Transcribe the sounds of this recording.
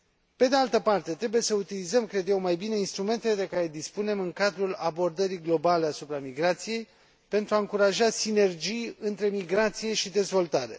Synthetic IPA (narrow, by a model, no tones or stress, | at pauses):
pe̞d̪ealt̪əpart̪e̞t̪ɾe̞buje̞səut̪ilizəmkɾe̞d̪jewmajbine̞inst̪ɾume̞nt̪eled̪e̞kaɾe̞d̪ispune̞mɨŋkad̪ɾulabo̞rd̪əɾiɡlo̞bale̞asupɾamiɡɾat̪sije̞j | pe̞nt̪ɾuaɨŋkuɾaʒasine̞rd͡ʒijɨnt̪ɾe̞miɡɾat̪sije̞ʃid̪e̞zvo̞lt̪aɾe̞̰